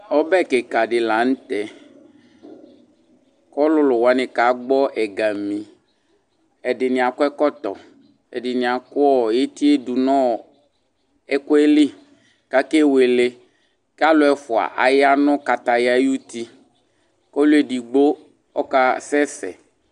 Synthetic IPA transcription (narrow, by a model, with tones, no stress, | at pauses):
ɔ˦bɛ˦˨ke˨ka˨ɖɪ˨la˨ñ̩˦t̪ɛ˨ | kɔ˦lʊ˦lʊ˨wa˨˦ne˨ka˨˦ɡ͡bɔ˦ʔɛ˨ɡa˨mĩ˨ | ɛ˨ɖɪ˨nĩ˨a˨kʊ˦ɛ˦kɔ˦t̪ɔ̰˨ | ɛ̰˨ɖɪ˨nĩ˨a˨kʊ˦ɔ˦˨je˦t̪i˦e˦du˨nɔ̃˦˨ | ɛ˦kʊ˦e˦li˦ | ka˦ke˦we˨le˦ | ka˦lʊ˦ɛ˨fu˨a̰˨ʔa˨ja˦nɔ̃˦ka˨t̪a˨ja˦e˦ju˦t̪i˦ | kɔ˦lu˦e˨ɖi˨ɡ͡bo˦ | ɔ˦ka˦sɛ˦sɛ̰˨